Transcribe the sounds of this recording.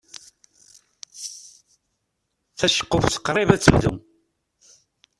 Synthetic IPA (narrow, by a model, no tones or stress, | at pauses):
θæʃə̥qːəfθə̥qːɾˤɪvæt͡sːəlðṵ